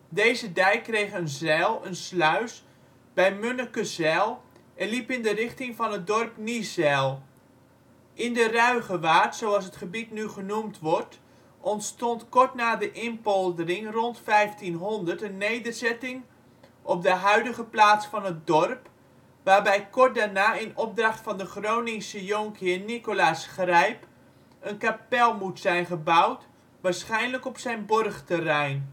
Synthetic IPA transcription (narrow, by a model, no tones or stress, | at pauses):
deːzədɛjkːrejχənzɛlˠənslœɥs | bɛjmønəkəzɛlˠ | ʔɛnlipɪndərɪχtɪŋfɑnət̚dɔrpnizɛlˠ | ʔɪndərœɥɣəʋaːrtsowɑlˠs̬ətχəbitnyχənumtʋɔrt | ʔɔntstɔntkɔrtnaːdəʔɪnpɔlˠdərɪŋrɔntfɛjftinɦɔndərtənːejdərzɛtɪŋ | ʔɔp̚dəɦœɥdəɣəplaːtsfɑnət̚dɔrp | ʋaːrbɛjkɔrt̚daːrnaːɪnɔp̚drɑχtfɑndəχrownɪŋsəjoŋkhɪnikolaːsχrɛjp | ənkapɛlˠmutsɛjnχəbawt | ʋaːɹsχɛjnləkɔpsɛjnbɔrχtərɛjn